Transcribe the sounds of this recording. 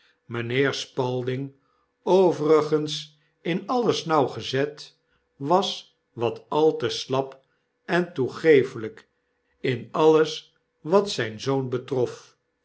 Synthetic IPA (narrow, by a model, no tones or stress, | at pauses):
mənɪːɹspɑlˠdɪŋ | owvərəχəns | ɪnɑləsnɑwχəzɛt | ʋɑs | ʋɑtɑlˠtəslɑp | ɛntuχejfələk | ɪnɑləs | ʋɑtsɛjnzownbətrɔf